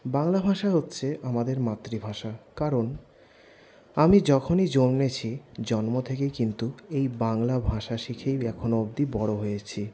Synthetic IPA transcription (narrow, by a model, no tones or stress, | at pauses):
baŋlabʱaʃaɦotːɕʰeʔamad̪eɾmat̪ːɾibʱaʃakaɾon | amid͡ʑɔkʰonid͡ʑomnet͡ɕʰid͡ʑɔnmot̪ʰekejkint̪uejbaŋlabʱaʃaʃikʰejɛkʰonoob̚d̪ibɔɽoɦojet͡ɕʰi